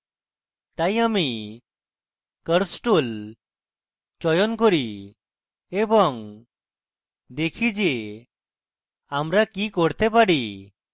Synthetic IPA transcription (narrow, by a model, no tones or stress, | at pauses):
t̪ajami | kəɾsʈul | t͡ɕɔjɔnkɔɾi | ebɔŋ | d̪ekʰid͡ʑe | amɾakikɔɽt̪ɛpaɽi